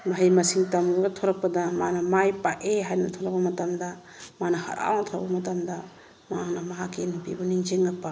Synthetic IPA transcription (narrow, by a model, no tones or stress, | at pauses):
maɦijmɐsiŋtɐmuɡɐtʰoɾɐk̚pɐdɐmanɐmajpaʔeɦajnɐtʰoɾak̚bɐmɐtɐmdɐ | manɐhɐ̰ɾa̰wnɐtʰoɾabɐmɐtamdɐ | maaŋnɐmɐɦakːenɐpibuniŋd͡ʒeŋlak̚pa